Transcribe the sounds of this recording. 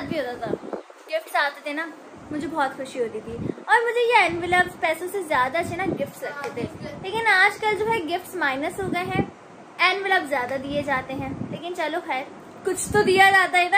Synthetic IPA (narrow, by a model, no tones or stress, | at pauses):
əd̪̚bʱiɦoːt̪aːt̪ʰaː | ɡɪfʈsaːt̪et̪enaː | mʊd͡ʒʱebɔːt̪xʊʃiɦoːt̪it̪iɔːɾmʊd͡ʒʱejeɛnʋɪləbzpɛːsõsezjaːd̪at͡ʃʰenaɡɪfʈslɐɡd̪et̪ẽːleːkɪnaːd͡ʒkəld͡ʒoːɦɛɡɪfʈsmaːɪnəsɦoːɡəeɦɛ̃ː | ɛːnʋɪləbzːjaːd̪ad̪ied͡ʒaːt̪eɦɛ̃ːleːkɪnt͡ʃəloxɛːɾ | kʊt͡ʃʰt̪od̪ijad͡ʒaːt̪aɦɛt̪aː